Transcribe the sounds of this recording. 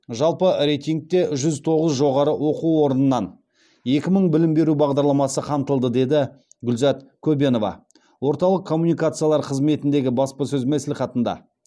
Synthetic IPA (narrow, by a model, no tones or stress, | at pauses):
ʒɑlˠpəɾejt̪ijŋk̚t̪e̞ʒʏzt̪ʰo̞ʁəzʒo̞ʁɑɾəwo̞quwo̞ɾənənːɑn | je̞kʲɪməɴbɪlɪmbe̞ɾubɑʁd̪ɑɾlˠɑmɑsəqʰɑmt̪əlˠd̪əd̪e̞d̪ɪ | ɡʏlzɑt̪kʲʰɵbe̞no̞vɑ̰ | wo̞ɾt̪ɑlˠəqkʰːo̞mːunijkat̪sɨjalˠɑɾqʰəzme̞t̪ɪnd̪e̞ɡʲɪbɑspɑsɵzmæslʲɪχɑt̪ənd̪ɑ̰